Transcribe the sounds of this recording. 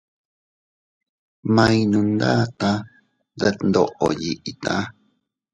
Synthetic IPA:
mã˧ĩ˧nũ˧nd̪a̰ː˦t̪ã˦ | ða˧nd̪o˧˨ʔo̰˨ji˧ʔi˨t̪ã˦

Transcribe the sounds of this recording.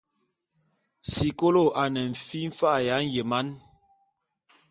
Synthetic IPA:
si˨ko˦lo˦˨ʔa˨nɛ˨ɱ̩˨fi˦m̩˦fa˦˨ja˨˦n˦je˨ma˦n

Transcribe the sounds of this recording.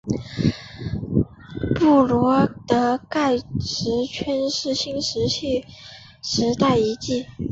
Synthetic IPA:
pu˥˩lwɔ˧˥t̪ɤ˧˥ka˥˩ɪʈ͡ʂɻ̩˧˥t͡ɕʰɛ˥nʂɻ̩˥ɕi˥ŋʂɻ̩˧˥ɕi˥˩ | ʂɻ̩˧˥t̪a˥˩ɪi˧˥t͡ɕi˥˩

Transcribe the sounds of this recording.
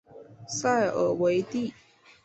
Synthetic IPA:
sa˥˩ɪʔə˨˩we˧˥ɪt̪i˥˩˨

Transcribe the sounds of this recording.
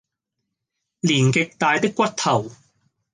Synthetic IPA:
liː˨˩nkɪ˨k̚t̪aː˨˧jt̪ɪ˥kːʷɐ˥t̚t̪ʰɐ˨˩w

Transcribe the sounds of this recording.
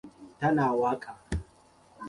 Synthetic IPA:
tɐ˦naː˨waː˦kʰaː˨

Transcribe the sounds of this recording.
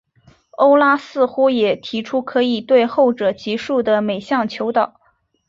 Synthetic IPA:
o˥ʊla˥sɹ̩˥˧xu˥jɛ˨˩t̪ʰi˧˥ʈ͡ʂʰu˥kʰɤ˧˥i˨˩t̪we˥˧ɪxo˥˩ʊʈ͡ʂɤ˨˩t͡ɕi˧˥ʂu˥˩d̪ə˩me˨˩ɪɕjɑ˥˩ŋt͡ɕʰjo˧˥ʊt̪ɑ˨˩˦ʊ

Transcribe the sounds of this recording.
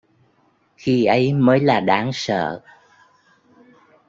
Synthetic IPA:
xi˧ʔə˨˦jməː˨˦jlaː˨˩ɗaː˨˦ŋsə̰ː˧˨

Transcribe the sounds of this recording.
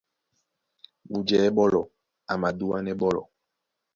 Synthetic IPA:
bu˨d͡ʒɛ˨˦bɔ˦lɔ˨ | a˨ma˨du˦a˦nɛ˦ɓɔ˦lɔ̰˨

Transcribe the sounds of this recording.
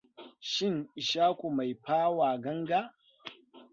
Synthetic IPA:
ʃɪ˦ŋʔɪ˨ʃaː˦kʷu˨ma˨jɸaː˦waː˨ɡɐ˦ŋɡa˦

